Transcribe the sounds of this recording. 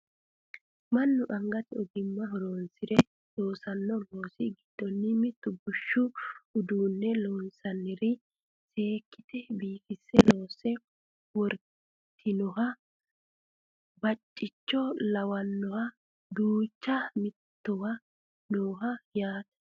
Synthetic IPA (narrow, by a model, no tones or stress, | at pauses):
mɐnːʊʔɐŋɡɐt̪ɪɔɡ̪ɪmːɐɦɔɾoːnsɪɾɛ | loːsɐnːɔlo̞ːsɪɡɪd̪̥ːɔnːɪmɪt̪ːʊɡʊʃːʊʊd̪uːnːɛloːnsɐnːɪɾɪ | se̞ːkːɪt̪ɛbiːkɪsːɛlo̞ːsɛ | wɔɾ | t̪ʰːɪnɔɦɐ | bɐt͡ʃʼːɪt͡ʃːɔlɐwɐnːɔhɐ | d̪uːt͡ʃːɐmɪt̪ːɔwɐ | noːɦɐjaːt̪ɐ̥